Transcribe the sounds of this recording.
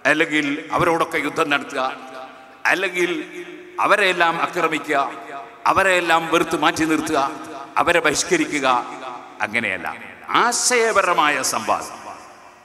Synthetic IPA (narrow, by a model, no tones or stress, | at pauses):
ɐlːe̞ŋɡilɐ̰ʋɐɾo̞ːɽo̞kːe̞jud̪ʱːɐnɐɽɐt̪ːuɣɐ | ɐlːeŋɡil | ɐ̰ʋɐɾeelːaːmɐkrɐmikʲːuɣɐ | ɐ̰ʋɐɾeelːaːmʋerut̪ːumaːtːinirt̪ːuɣɐɐ̰ʋɐɾebɐɾiʂkɐɾikʲːuɣɐ | ɐ̰ŋːɐne̞̰jɐ̰lːa̰ːm | a̰ːɕɐjɐɐbɐɾɐmaːjɐsɐmbʱa̰ːnɐ